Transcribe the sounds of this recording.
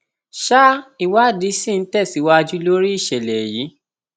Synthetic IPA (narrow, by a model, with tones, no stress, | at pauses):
ʃa˦i˨wa˦˨di˧˦sĩ˦˨n̩˨˦tɛ˦˨si˨˦wa˦˧d͡ʒu˦lo˦ɾi˦i˦˨ʃɛ˨lɛ˨ji˨˦